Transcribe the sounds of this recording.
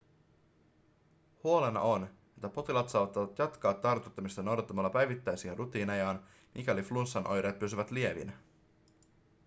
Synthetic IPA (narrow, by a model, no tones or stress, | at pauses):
huo̞lenɑ̰ʔo̞n | e̞t̪ːæpo̞t̪ilɑt̪sɑːʋɑt̪ːɑʋɑt̪jɑt̪kɑːt̪ːɑrt̪ut̪ːɑmist̪ɑno̞wdɑt̪ːɑmɑlːɑpæjʋit̪ːæjsienrʔut̪iːnɑjɑːn | mʔikæliflunsːɑnʔo̞̰jɾeːt̪̚pysyʋæt̪lie̞ʋḭnæ